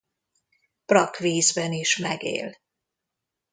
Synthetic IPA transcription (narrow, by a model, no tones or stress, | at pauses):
prɒkʋeːzbɛniʃmɛɡḛːl